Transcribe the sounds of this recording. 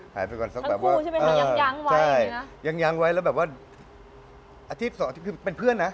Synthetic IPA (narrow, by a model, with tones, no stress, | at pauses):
haː˩˦jpa˧kɔː˨˩nsa˦˥bɛː˨˩p̚aː˥˩˧ɤː˧a˦˥ŋwt͡ɕʰa˥˩jja˧ŋja˦˥ŋwa˦˥jlɛː˦˥wbɛː˨˩p̚waː˥˩ | ʔaː˧t̪ʰi˦˥t̪̚sɔː˨˦a˧t̪ʰi˦˥kʰːpe˧npʰɯ˥˩ənːa˦˥